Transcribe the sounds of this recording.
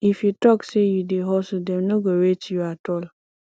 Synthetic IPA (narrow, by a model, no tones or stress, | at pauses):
ifjutɔksejudeɦɔsʊdɛmnoɡowet͡ʃjuatɔl